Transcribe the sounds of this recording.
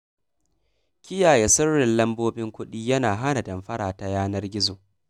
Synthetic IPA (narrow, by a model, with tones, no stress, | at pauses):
kʲɪ˦jaː˨je˨sʊ˦rːɪ˨nlɐ˦mboː˦bɪ˦ŋkʷʊ˦ɗiː˦jɐ˦naː˨ɦa˦na˨dɐ˨mɸɐ˦ɽaː˨ta˨jaː˦nɐ˦rɡʲɪ˦zoː˨